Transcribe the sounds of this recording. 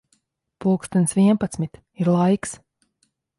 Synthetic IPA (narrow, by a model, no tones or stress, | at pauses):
puːkst̪ɛnsviɛnpat̪smit̪ | iɾlˠajks